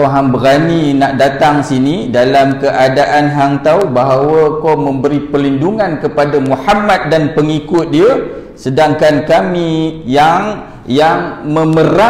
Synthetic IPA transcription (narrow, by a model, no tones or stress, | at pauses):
ɦaŋbəɾaninaʔdat̪aŋsinidalamkəʔadaʔanɦaŋt̪awbaɦawəkomə̃mbəɾipəlinduŋãnkəpadamuħamat̪̚danpəŋikʊt̪̚diə | sədaŋkankamĩjaŋ | jaŋmə̃məɾa